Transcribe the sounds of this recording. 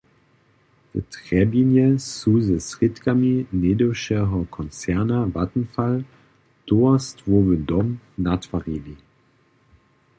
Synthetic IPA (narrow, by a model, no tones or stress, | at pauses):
d̥ə̰tʁ̥ɛbinjəsuzəsʁɪtkamineːdoʃəɦɐkʰɔnt͡sɛɐnavatn̩fal | d̥oɐstvʊɐvədɔmnatvaʁiːvi